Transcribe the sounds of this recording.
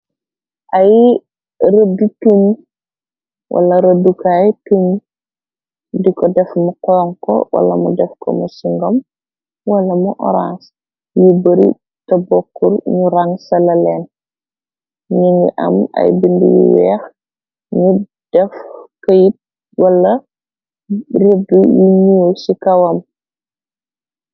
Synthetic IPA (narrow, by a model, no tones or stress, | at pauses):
ʔaj | ɾədutum | wʔa̰lɐɾədukajtuɲ | dikɔdɛfmukɔːŋkɔ̰wʔa̰lɐmṵdɛfkɔ̰musiŋɡom | wɐlɐmuʔɔ̰ɾas | jubəɾḭ | tɐbɔkːuɾɲuɾaŋsɐlɐlɛn | ɲiŋɡḭʔɐ̰mɐ̰jbindijṵwɛ̰ːx | ɲu | d̥ɛfkəjit̚ | wɐlːɐ | rodujuɲusikɐwɐm